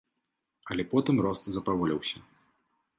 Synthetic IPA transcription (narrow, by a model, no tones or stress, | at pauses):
ɐlʲɛpɔt̪ɨmrɔst̪zɐpɾavɔlʲɛwsʲɐ